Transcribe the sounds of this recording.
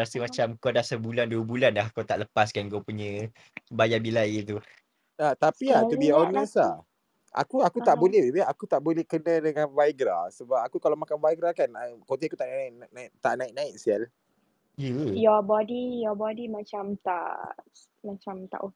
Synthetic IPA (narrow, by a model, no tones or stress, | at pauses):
ɾasəmat͡ʃamkodahsəbulanduəbulanlaɦkot̪aʔləpaskanɡopuɲə̃ | bajabilajit̪u | at̪apiat̪udiaonəsla | ʔa̰kuakut̪aʔbolɛbəakut̪aʔbolɛhkənə̃dəŋanvajɡɾa̰səbap̚akukalawmakanvajɡɾakanakot̪iakut̪aʔnaʔnaʔnʔnaɪʔt̪aʔnãɪʔ̚nãɪʔ̚sial | jəjɔbɔdijɔbɔdimat͡ʃamt̪a̰ʔ | mat͡ʃamt̪a̰ʔo